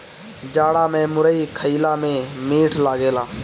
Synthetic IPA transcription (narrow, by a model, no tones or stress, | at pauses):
d͡ʒaːɽaːmẽːmʊɾəikʰəiːlaːmẽmiːʈʰlaːɡeːlaː